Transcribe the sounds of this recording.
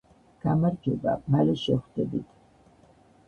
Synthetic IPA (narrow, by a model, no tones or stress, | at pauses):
ɡ̥amaɾd͡ʒɛba̰malɛʃɛχwd̪ɛbit̪ʰ